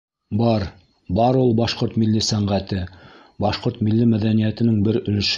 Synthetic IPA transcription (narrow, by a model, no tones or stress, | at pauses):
bɑɾ | bɑɾulˠbɑʃqoɾt̪milːisæɴʁæt̪ɘ | bɑʃqoɾt̪milːimæðænijæt̪ɘ̆nɘŋbɘɾɵ̆lɘ̆ʃ